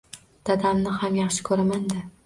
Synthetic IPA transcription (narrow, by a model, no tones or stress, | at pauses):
d̪̥ad̪amnɪhamjɑχʃɪ̥kʰɵɾamand̪ɪ